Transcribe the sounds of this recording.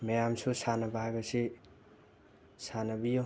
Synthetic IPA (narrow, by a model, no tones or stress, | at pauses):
mejamsʰusanabaaɡɐse | sanɐbijo